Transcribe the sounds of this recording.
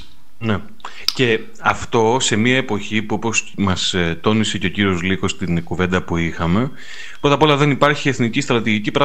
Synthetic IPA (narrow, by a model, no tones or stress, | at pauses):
ne̞ | ce̞ | ɐft̪o̞se̞miɐe̞po̞çipuo̞po̞smɐst̪o̞nise̞ceo̞ciɾio̞zliko̞st̪inkuve̞nd̪ɐpuixɐme̞ | pɾo̞t̪ɐpo̞lɐðe̞nipɐɾçie̞θnicist̪ɾɐt̪iʝicipɾɐ